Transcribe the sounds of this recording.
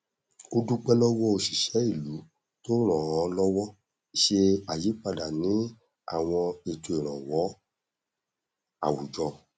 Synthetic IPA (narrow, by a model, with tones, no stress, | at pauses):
o˧du˦k͡pɛ˦lɔ˦wɔ˦o˧ʃi˨ʃɛ˨˦i˦˨lu˨˦ | to˦ɾ̃ɔ̃˨ɔ̃˨˧lɔ˦wɔ˦ | i˨ʃe˧a˨ji˨˦k͡pa˧da˨nĩ˨˦ | a̰˨w̃ɔ̃˧e˨tu˧e˨ɾ̃ɔ̃˨wɔ˨˦ | a̰˨wu˨d͡ʒɔ˧